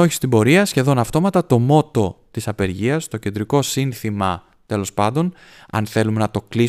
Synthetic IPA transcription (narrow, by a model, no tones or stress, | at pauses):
oçist̪imbo̞ɾiɐsçe̞ðo̞nɐft̪o̞mɐt̪ɐt̪o̞mo̞t̪o̞t̪isɐpe̞ɾʝiɐst̪o̞ce̞nd̪ɾiko̞sinθimɐ | t̪e̞lo̞spɐnd̪o̞n | ɐ̰nθe̞lume̞nɐt̪o̞kli